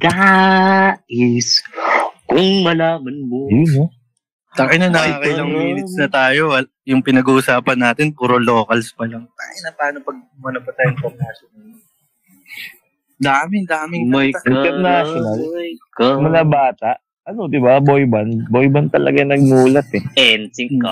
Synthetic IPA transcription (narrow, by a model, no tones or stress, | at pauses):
d̪̥a | ɛs | kʊŋmɐlaːmɐnmono | t̪aʔɐnɐnɐkaːkɐjlɐŋmiːnɪt̪snɐt̪aːjoɐ | jʊŋpɪnɐɡuʔsaːpɐnːaːt̪ɪnpuːɾolo̞ːkɐlspɐlɐŋt̪aʔɪnɐt̪aːjnɐpɐɡ̚mɐnɐpɐt̪aːjoɪŋp̪ɐɾnaːʃonɐl | d̪aːmɪd̪aːmɪŋjɐnaʃonaljkmɐŋabaːt̪aʔ | ɐno̞d̪ɪbabojbɐnbojbɐnt̪ɐlɐ̰ɡanɐɡ̚muːlɐt̪ɛʔɛnsɪkɐ̰